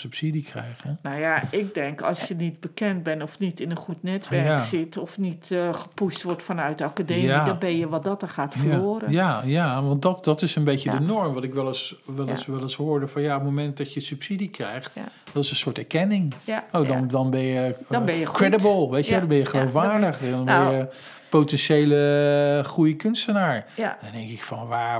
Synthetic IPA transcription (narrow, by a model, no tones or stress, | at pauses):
sypsidikʰrɛ̰jɣənawjaɪk̚dɛŋkʰɑ̰lˠsjənit̚bəkɛnt̚bɛnɔfnitɪnənχutnɛtʋɛɹaksɪtɔfnitχəpustʋɔrtfɔnœɥt̚dəakadeːaidɔnbɛnjəʋɑt̚dɔtəχaːtfəloːɾəjajaʋɔnt̚dɔtdɔtɪsənbeːtədənɔɹmʋɔtɪkʋɛlˠəsʋɛləsʋɛlˠəsɦʊːɹdəfɔnjaop̚momɛnt̚dɔtjəsypsidikrɛ̰jχtd̥ɔtɪsə̃nsʊːətɛɹkɛnɪŋowdɔndɔnbɛnjəbɛjəkrɛdəbəlˠʋejtəʋɛdɔnbɛnjəχəlowfʋaːɹdəχɛdɔnbɛjjə | powtɛnʃejləχrujəkʏnstənaːɹndɔndɛŋkɪkfɔnʋaː